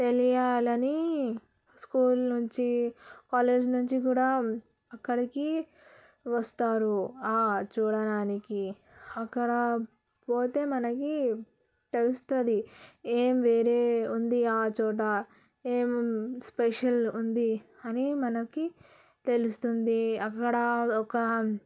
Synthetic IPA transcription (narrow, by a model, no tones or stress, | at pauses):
t̪e̞lijaːlɐni | skuːlnuɲt͡ʃikaːleːd͡ʒnuɲt͡ʃikuːɽaː | ɐkːɐɽiki | ʋɐst̪aːɾuaːt͡ʃuːɽɐɽaːniki | ɐkːɐɽɐ | po̞ːt̪e̞ːmɐnɐki | t̪e̞lust̪ɐd̪ieːmʋe̞ːɾe̞ːund̪iaːt͡ʃɔːʈ̬ɐ | eːmspeʂɐlund̪i | ɐnimɐnɐki | t̪e̞lust̪und̪iɐkːɐɽɐɔkɐ